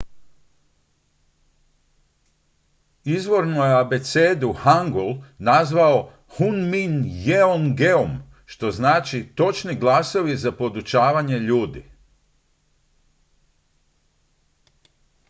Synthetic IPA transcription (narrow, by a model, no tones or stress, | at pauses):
izʋo̞ɾnojeabe̞t̪seːd̪uhaŋɡolˠnazʋao̞ | hunminjeonɡeom | ʃt̪o̞znaːt͡ʃit̪o̞t͡ʃniɡlaso̞ʋizapo̞d̪ut͡ʃaːʋaɲe̞ʎuːd̪ḭ